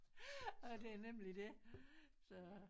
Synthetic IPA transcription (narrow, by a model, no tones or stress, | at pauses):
ɔd̥e̝æɐnemlid̥e | sɒ